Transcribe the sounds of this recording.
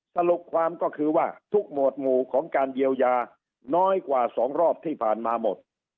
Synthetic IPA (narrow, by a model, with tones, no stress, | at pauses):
sa˧lu˨˩p̚kʰwaː˧mkɔː˥˩kʰɯː˧waː˥˩t̪ʰu˦˥k̚mu˨˩ət̪̚muː˨˩kʰɔː˩˦ŋkaː˧nji˧əwjaː˧ | nɔː˦˥jkwaː˨˩sɔː˩˦ŋɾɔː˥˩p̚t̪ʰiː˥˩pʰaː˨˩nmaː˧mo˨˩t̪̚